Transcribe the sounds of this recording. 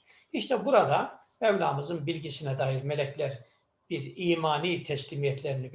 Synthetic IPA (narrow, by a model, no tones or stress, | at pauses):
iʃt̪ʰɛbuɾad̪a | ɛvlʲaːmɯzɯnbilʲɟisinɛd̪aːjiɾmelʲɛclʲæɾ | b̥iɾiːmaːniːt̪ʰɛslʲiːmijɛt̪ʰlʲeɾini